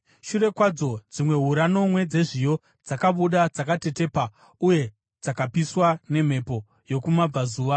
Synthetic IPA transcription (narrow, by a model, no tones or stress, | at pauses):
ʃure̞kwad͡zo̞d͡zimwe̞ɦuɾano̞mwe̞d͡ze̞ʐijo̞ | d͡zakaɓuɗad͡zakate̞te̞ːpa | uje̞ | d͡zakapiswane̞m̤e̞po̞ | jo̞kumab͡vazuːʋa